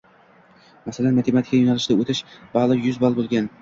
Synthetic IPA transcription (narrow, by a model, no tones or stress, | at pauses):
masalanmat̪ʰemat̪ʰɪ̥kʲːajonalɪʃd̪aot̪ʰɪʃbɑlˠɨjʊzbɒlˠbolˠɡʲan